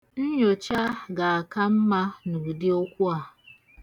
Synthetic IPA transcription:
n̩˦ɲo˨t͡ʃa˦ɡa˨a˨ka˦m̩˦ma˦nu˨dɪ˦o˦kʷu˦a˨

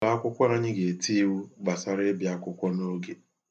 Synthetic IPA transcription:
a˨˦a˦kʷʊ˦kʷɔ˦ɾa˦ɲɪ˦ɡe˨ti˦wu˦ɡ͡ba˨sa˨ɾe˦bja˦kʷʊ˦kʷɔ˦no˦ɡe˨

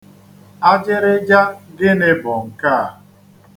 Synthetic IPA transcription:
a˦d͡ʒɪ˦ɾɪ˦d͡ʒa˦ɡɪ˦nɪ˦bɔ˨ŋ̩˨ka˦˨

